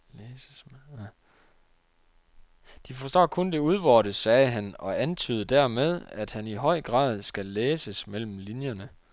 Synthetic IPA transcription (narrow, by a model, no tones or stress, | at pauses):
lːs | d̥ifɒ̽sd̥ɒ̰ːkʰɔ̽nd̥e̝uð̞ˠʋɒːɾ̥əsɛːɦænɒ̽ænt͡sʰy̰ːð̞ˠəd̥æɐ̰með̞ˠæd̥hæniɦɒ̽ɪ̰ɡ̥ʁɑ̰̈ːð̞ˠsɡ̥æleːsəsmel̰m̩linjɐnə